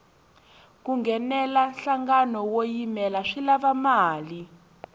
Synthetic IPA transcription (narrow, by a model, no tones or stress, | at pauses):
kuŋɡʱɛnɛlaɬaŋɡanɔwojimɛlaʂilaβamaːli